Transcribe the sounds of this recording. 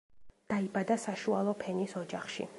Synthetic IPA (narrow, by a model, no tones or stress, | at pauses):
d̪̥aibad̪asaʃualˠɔpʰɛnisɔd͡ʒaχʃḭ